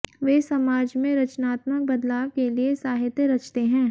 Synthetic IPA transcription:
ʋeːsɐmaːd͡ʒmẽɾɐt͡ʃnaːt̪mək̚bɐd̪laːʋkeliesaːɦɪt̪jəɾɐt͡ʃt̪eɦɛ̃ː

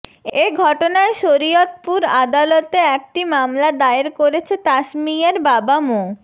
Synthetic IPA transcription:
eɡʱɔʈonaeʃoɾijot̪̚puɾad̪alot̪eɛk̚ʈimamlad̪aeɾkoɾet͡ɕʰet̪aʃmijaɾbabamo

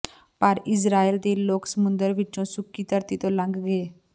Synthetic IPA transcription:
pəɾɪs̬ɾaːeːld̪eːloːksəmʊ̃nd̪əɾʋɪt͡ʃõːsʊkːiːt̪əɾt̪iːt̪õːlə̃ŋɡɡeː

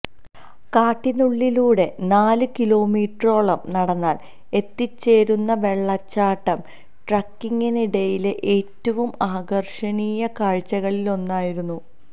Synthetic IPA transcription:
kaːʈːinuɭːiluːɽe̞naːlɨkilo̞ːmiːʈro̞ːɭɐmnɐɽɐnːaːl | e̞t̪ːit͡ɕːe̞ːɾunːɐʋe̞ɭːɐt͡ɕːaːʈːɐm | ʈrɐkːiŋɡiniɽɐjileʔeːtːɐʋumaːɡɐrʂɐniːjɐkaːɻt͡ɕːɐɣɐɭilo̞nːaːjiɾunːu

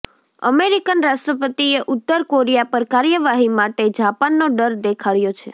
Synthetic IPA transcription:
ə̰meɾikənɾaʃʈɾəp̬ət̪ieʔʊt̪ːəɾkoɾijapəɾkaɾjəʋaɦimaʈed͡ʒapanːoɖəɾd̪ekʰaɭjot͡ʃʰe

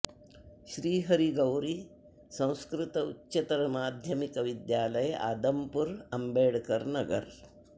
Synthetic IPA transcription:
ɕɾiːɦɐɾiɡɐwɾi | sɐ̃w̃skɾɪt̪ɐutːɕɐt̪ɐɾɐmaːd̪ʱjɐmikɐʋid̪jaːlɐjʔa̰ːd̪ɐmpuɾɐmbeːɽkɐɾnɐɡɐ̰ɾ

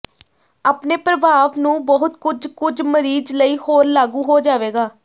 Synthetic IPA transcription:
aːpneːpɾəbʱaːʋnũːbɔɦʊt̪kʊd͡ʒkʊd͡ʒməɾiːd͡ʒləiːhoːɾlaːɡũːɦoːd͡ʒaːʋeːɡaː

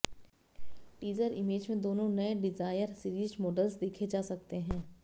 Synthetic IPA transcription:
ʈiːzəɾɪmeːd͡ʒmẽd̪oːnõnɐeɖɪzaːjəɾsɪɾiːzmɔːɖəlzd̪eːkʰed͡ʒaːsɐk̚t̪eɦɛ̃ː

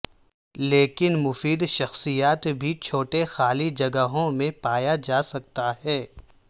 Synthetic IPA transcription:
leːkɪnmʊfiːd̪ʃɐxsijaːt̪bʱit͡ʃʰoːʈexaːlid͡ʒɐɡəɦõmẽpaːjad͡ʒaːsɐk̚t̪aɦɛː

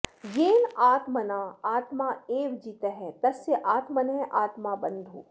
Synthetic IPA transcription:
jeːlaːt̪mənaaːt̪maeːʋd͡ʒiːt̪eɦɛ̃t̪ɐseʔaːt̪mənɦɛ̃ʔaːt̪mabɐ̃nd̪ʱṵː

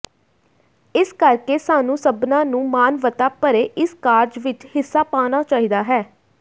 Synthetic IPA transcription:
ɪskəɾkeːsaːnũːsəbnãːnũːmaːnʋət̪aːpəɾeːʔɪskaːɾd͡ʒʋɪt͡ʃhɪsːaːpaːnaːt͡ʃaːɦiːd̪aːɦɛː

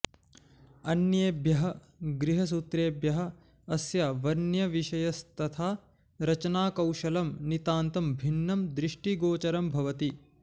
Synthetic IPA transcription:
ɐnjeːbjɐɦɐ | ɡɾiɦɐs̬ut̪ɾeːbjɐɦɐ̆ː | sjaʋɐnjɐʋiʃɐjɐst̪ɐt̪ʰaː | ɾɐt͡ʃɐnaːkɐwʃɐlɐmnit̪aːnt̪ɐmbʱinːɐmd̪ɾiʂʈiɡoːt͡ʃɐɾɐmbʱɐʋɐt̪i

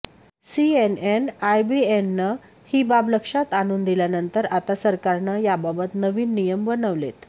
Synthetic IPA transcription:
sienenajbienːə | hiːbabləkʂat̪añuːnd̪iljanənt̪əɾat̪asəɾkaɾnəjababət̪nəʋiːnːijəmʋənəʋlet̪

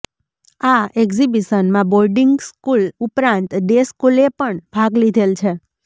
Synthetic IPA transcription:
aekzibiʃənmãboɾɖiŋɡskulupɾãnt̪d̪eskulepəɳb̥ʱaɡlid̪ʱelt͡ʃʰe

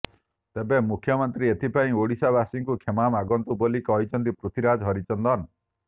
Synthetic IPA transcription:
t̪ebemukʰːjɔmɔnt̪ɾiet̪ʰipaĩoɽisabasiŋkukʰemamaɡɔnt̪ubolikɔɦjt͡ʃʰɔnt̪ipɾut̪ʰiɾad͡ʒɦɔɾit͡ʃɔnd̪ɔn

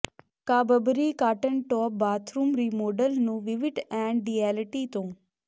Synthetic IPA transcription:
kabəbɾikaːʈəɳʈɔːp̚baːt̪ʰɾumɾimoːɖəlnũʋiʋiʈɛ̃ɳɖːiɛlʈit̪õː

